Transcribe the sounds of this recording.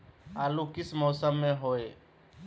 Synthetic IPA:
aːlukɪsmɔːsəmːẽɦoːe

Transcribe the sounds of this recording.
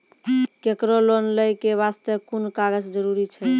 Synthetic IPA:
kekɾolonləjkeβast̪əkunkaɡəd͡ʒd͡ʒəɾuɾit͡ʃʰɛ

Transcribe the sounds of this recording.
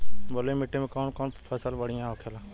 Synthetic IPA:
bolemɪʈːẽmẽkɔːnkɔːnt̪t̪ʰɛːsəlbəɽɪjãəkʰeːlãː

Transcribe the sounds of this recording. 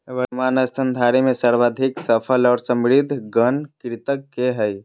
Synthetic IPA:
bəɾmanəst̪ʰənd̪ʱaɾimesəɾʋad̪ʱiksəpʰəlɔːɾsəmɾid̪ʱɡənkɾit̪əkːeɦəj

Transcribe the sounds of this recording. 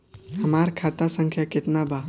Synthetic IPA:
ɦəmaɾkʰat̪asə̃ŋkʰjakɪt̪naba

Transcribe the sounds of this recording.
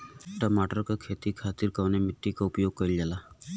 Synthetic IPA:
ʈəmaːʈəɾkakʰeːt̪ikʰaːt̪iɾkaʋnemɪʈːikaʊpjoːɡ̚kəild͡ʒala

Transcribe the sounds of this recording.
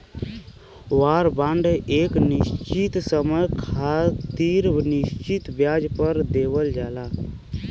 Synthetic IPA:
waːɾbãɳɖeːknɪst͡ʃit̪səməjkʰat̪iɾnɪst͡ʃit̪bjaːd͡ʒpəɾd̪eːʋəld͡ʒaːlaː

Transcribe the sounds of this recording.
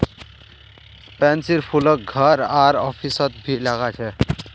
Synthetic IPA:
pænsiɾpʰulək̚ɡʱəɾaɾɔfʰisʌt̪̚bʱilaɡat͡ɕʰe

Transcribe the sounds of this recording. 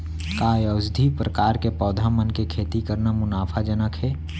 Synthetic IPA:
kaeəzd̪ʱipɾəkaːɾkepɔːd̪ʱamənkekʰeːt̪ikəɾnamʊnaːpʰad͡ʒənəkɦɛː

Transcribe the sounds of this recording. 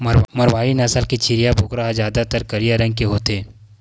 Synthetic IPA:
mɐɾwaːinɐsəlket͡ʃʰɪɾijabʱʊkɾaɦazjaːd̪at̪əɾkɐɾijaɾɐ̃ŋɡ̚keɦoːt̪eː

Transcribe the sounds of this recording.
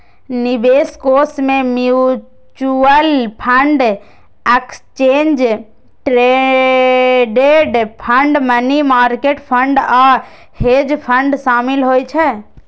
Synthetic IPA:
nɪbeːskoːsmẽmju | t͡ʃuəlpʰəɳɖ | ekst͡ʃeːnd͡ʒ | ʈɾe | ɖeɖpʰəɳɖmənimaːɾkeːʈpʰə̃ɳɖa | heːd͡ʒpʰə̃ɳɖʃaːmɪlɦoːjt͡ʃʰɛ

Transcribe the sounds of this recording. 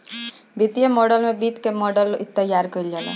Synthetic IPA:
bit̪ijəmɔɖəlmẽbiːt̪kemɔɖəlt̪ːəjːaɾkəild͡ʒalḛ

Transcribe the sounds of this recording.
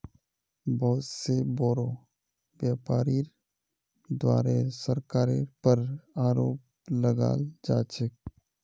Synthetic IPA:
bɔɦt̪sebɔːɾo | ʋjaːpaːɾiɾ | d̪waːɾesəɾkaːɾepəɾaːɾoːp | ləɡa̰ːld͡ʒaːt͡ʃək

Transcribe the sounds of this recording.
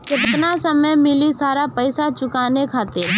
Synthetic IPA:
kɪtt̪nasəməjmɪlisaːɾapəɪsat͡ʃʊkaːnekʰaːt̪ɪɾ

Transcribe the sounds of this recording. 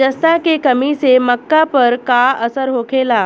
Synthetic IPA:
d͡ʒəst̪akekəmiseməkːapəɾkaəsəɾɦoːkʰeːlaː

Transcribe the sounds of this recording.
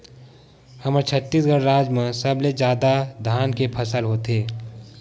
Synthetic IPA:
həməɾt͡ʃʰət̪ːiːsɡəɽɾaːd͡ʒmãsəbled͡ʒjaːd̪ad̪ʱaːnkepʰəsəlɦoːt̪eː

